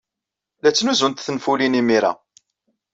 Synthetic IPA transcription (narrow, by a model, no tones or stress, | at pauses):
læt͡sːnuzunt̪θənfulinimiɾa̰